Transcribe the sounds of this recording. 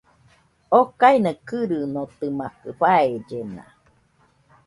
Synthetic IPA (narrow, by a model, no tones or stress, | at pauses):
okainekɨɾɯnot̪ɨmakɯɸaed͡ʒena̰